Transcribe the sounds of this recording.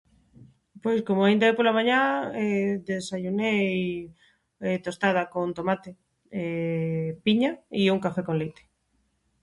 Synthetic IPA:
pojskomoaind̪aepolamaɲãeðesaʎunej | et̪ost̪að̞akont̪omat̪e | e | piɲaiuŋkafekõnlejt̪e̥

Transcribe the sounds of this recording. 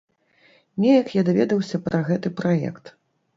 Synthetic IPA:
nʲejɐkjad̪avʲɛd̪ɐwsʲɐpɾɐɣɛt̪ɨpɾajɛ̰kt̪

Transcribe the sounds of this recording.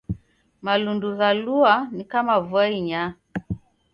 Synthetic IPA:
malunduzaluanikamavwaiɲa

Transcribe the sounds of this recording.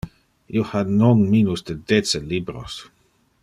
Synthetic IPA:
iohanonminusd̪edet͡selibɾo̰s

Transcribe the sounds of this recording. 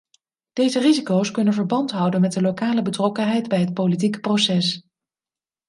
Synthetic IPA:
d̥ejzərizikowskɵnənvəɹbɑntɦʌwdənmɛt̚dəlokaːləbətrɔkənɦɛjdbɛjɦət̚polit̬ikə̥prosɛs

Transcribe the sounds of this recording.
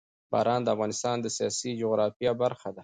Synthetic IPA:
b̥ɑ̰ːɾɑnd̪əafɣɑnɪst̪ɑnd̪əsijɑsid͡ʒʊɣɾɑfjɑbaɾxad̪a

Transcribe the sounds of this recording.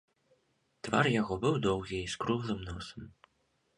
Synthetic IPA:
t̪va̰rjaɣɔbɨwd̪ɔwɣʲiiskɾuɣlˠɨmnɔsɐm

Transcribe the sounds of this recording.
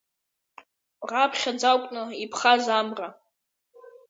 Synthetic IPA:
rapʰχʲad͡zawkʷʼnɨipʰχazamra

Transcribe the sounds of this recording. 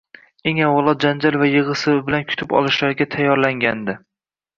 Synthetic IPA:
e̞ŋawɒlˠɒt̪̚d͡ʒand͡ʒalvajɨʁɨsɪbɪlankʰʊ̥t̪ʰɪpɒ̰lˠɪʃlaɾɡʲat̪ʰajːɒɾlaŋɡʲand̪ɪ

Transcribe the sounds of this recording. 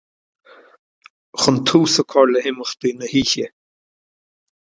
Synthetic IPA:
xʊnt̪ʰuːsəkʰɔɹləhɪməxd̪̥iːnəhiːçə

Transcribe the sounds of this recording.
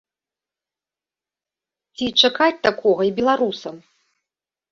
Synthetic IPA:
t͡sʲit͡ʂakat͡sʲt̪akʰɔɣɐibʲɛlˠaɾusɐm

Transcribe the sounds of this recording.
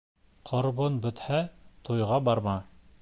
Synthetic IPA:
qʰŏɾβonbɵ̆t̪hæt̪ujʁɑbɑɾmɑ

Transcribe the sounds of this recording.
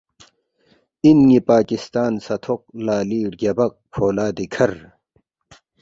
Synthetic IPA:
inŋipaːkist̪aːnsɐt̪ʰoq̚laːliːɽɡɐbɐk̚pʰoːlaːd̪ikʰɐɾ

